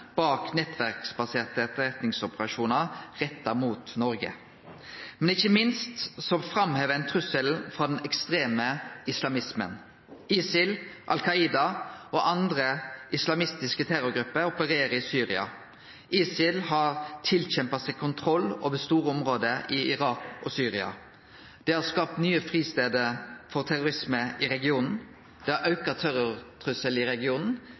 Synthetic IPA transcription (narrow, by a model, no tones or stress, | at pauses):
b̥ɑːknɛt̪ʋæʁksbɑseːʁt̪əːt̪ʁɛt̪nɪŋsɔpəɾɑʃuːnɑʁɛt̪ːəmuːt̪nɔɾɡə̰ | mɛnɪçːəmɪnst̪sɔfɾɑmheːʋəɛɪnt̪ʰʁʉsəlfɾɑːd̪ɛnɛkst̪ʁeːməɪslɑmɪsmə̰n | iːsɪlʔɑ̰lkʰɑiːd̪ɑʔoːʔɑnd̪ʁəʔɪslɑmɪst̪ɪskət̪ʰɛɾʊɾɡɾʉpːəɾɔpəɾeːɾəɪsyːɾɪɑ̰ | ʔiːsɪlhɑːʁt̪ʰɪlçɛmpɑsɛkʰʊnt̪ʰɾɔlːo̰ːʋəst̪uːɾəɔmʁoːd̪əʔɪɪʁɑːkɔsyːɾɪɑ̰ | d̪̥ɛːhɑskɑːp̚t̪nyːəfɾiːst̪eːd̪əɾfɔʁt̪ʰæɾʊɾɪsməʔɪɾɛɡɪuːnn̩ | d̪̥ɛːhɑʔɑʉkɑt̪ʰɛɾʊt̪ʰʁʉsəlɪɾɛɡɪuːnn̩